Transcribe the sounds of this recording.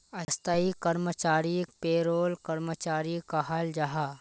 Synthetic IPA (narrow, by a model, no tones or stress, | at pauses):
ɐst̪əikɐɾmət͡ʃaːɾikpeːɾoːlkɐɾmət͡ʃaːɾikaɦald͡ʒɐɦa